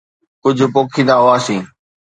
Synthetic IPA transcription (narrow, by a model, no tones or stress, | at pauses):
kʊd͡ʑʱʊpoːkʰĩːnaɦoaːsĩː